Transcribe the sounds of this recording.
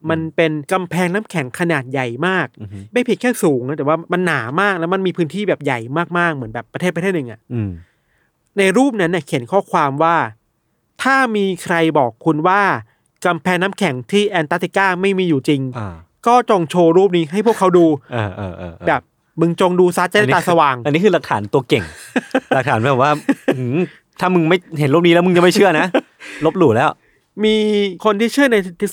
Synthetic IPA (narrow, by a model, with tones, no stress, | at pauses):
ma˧npe˧nka˧mpʰɛː˧ŋnaː˦˥mkʰɛ˩˦ŋkʰa˧naː˨˩t̪̚ja˨˩jmaː˥˩k̚da˥˩jpʰi˨˩kʰɛː˥˩suː˩˦ŋa˦t̪ɛ˨˩waː˥˩ma˧nːaː˩˦maː˥˩k̚lɛː˦˥wma˧nmiː˧pʰɯ˦˥nt̪ʰiː˥˩bɛː˨˩p̚ja˨˩jmaː˥˩k̚maː˥˩k̚mɯ˩˦nbɛː˨˩pːɾa˧t̪ʰe˥˩t̪pːt̪ʰe˥˩t̚nɯ˨˩ʔa̰˨˩ʔ | na˧jɾuː˥˩p̚na˦˥nːa˨˩kʰi˩˦nkʰɔː˥˩kʰwaː˧mwaː˥˩ | t̪ʰaː˥˩miː˧kʰɾa˧jbɔː˨˩kʰːu˧nwaː˥˩ | ka˧mpʰɛː˧ŋnaː˦˥mkʰɛ˩˦ŋt̪ʰiː˥˩ʔɛː˧nt̪aː˦˥t̪i˧˩kaː˥˩ma˥˩jmiː˧juː˨˩t͡ɕi˧ŋ˧ | kɔː˥˩t͡ɕo˧ŋt͡ɕʰoː˧ɾuː˥˩p̚niː˦˥ɦa˥˩jpʰu˥˩kʰːa˦˥wduː˧aː˧ʔːbɛː˨˩p̚ | mɯ˧ŋt͡ɕo˧ŋduː˧sa˦˥t̪̚t͡ɕa˧a˥˦t̪aː˧sa˧waː˧ŋʔa˧nːiː˦˥kʰɯː˧la˨˩k̚t̪ʰaː˩˦nt̪u˧ɐke˨˩ŋa˨k̚t̪ʰaː˩˦nbɛː˨˩p̚waː˥˩˦ | t̪ʰaː˥˩mɯ˧ŋma˥˩jɦe˨˩˦nɾuː˥˩p̚ni˦lːɛ˦˥mɯ˧ŋt͡ɕa˧ŋma˥˩jt͡ɕʰɯ˥˩əna˦˥ | lo˦˥p̚luː˨˩lɛː˦˥w | miː˧kʰo˧nt̪ʰiː˥˩t͡ɕʰɯ˥˩əna˧t̪ʰi˦˥